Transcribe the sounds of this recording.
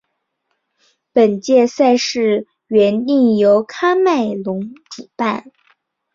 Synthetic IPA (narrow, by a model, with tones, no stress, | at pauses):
pə˨˩nt͡ɕjɛ˥˧sa˥˧ɪʂɻ̩˥˩ | ɥɛ˧˥ni˥˩ŋjo˧˥ʊkʰa˥ma˥˩ɪlʊ˧˥ŋʈ͡ʂu˨˩pa˥˩n